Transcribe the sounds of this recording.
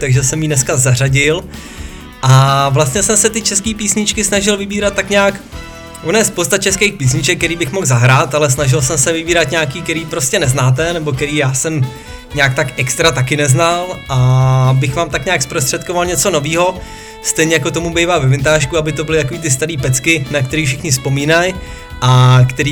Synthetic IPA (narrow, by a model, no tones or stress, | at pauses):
t̪aɡʒɛsɛmjiːnɛskazar̝aɟɪl | ʔavlast̪ɲɛsɛmsɛt̪ɪt͡ʃɛskiːpiːsɲɪt͡ʃkɪsnaʒɪlvɪbiːɾat̪ːakɲaːk | ʔonjɛspowst̪at͡ʃɛskejxpiːsɲɪt͡ʃɛk̪̚ːɛɾiːbɪxmo̞ɣzaɦɾaːt̪alɛs̬naʒɪlsɛmsɛvɪbiːɾat̪ɲaːkiːkɛɾiːpɾo̞scɛnɛznaːt̪̬ɛnɛbo̞kɛɾiːjaːsɛm | ɲaːk̚t̪akʔɛkst̪ɾat̪akɪnɛznalʔabɪxvaːmt̪akɲaːkspɾost̪r̥ɛt̪̚kovalɲɛt͡so̞no̞viːɦo̞ | st̪ɛjɲɛjakot̪o̞mubɛjvaːvɛvɪnt̪aːʃkuabɪt̪o̞bɪlɪt̪ak̬oviːt̪ɪs̬t̪aɾiːpɛt͡skɪnakt̪ɛɾiːfʃɪxɲɪspo̞miːnaj | ʔakt̪ɛɾiː